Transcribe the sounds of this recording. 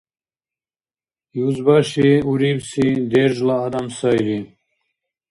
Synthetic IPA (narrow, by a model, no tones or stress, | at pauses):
juzbaʃiuɾibsid̪ɛɾʒlaːd̪amsajɾi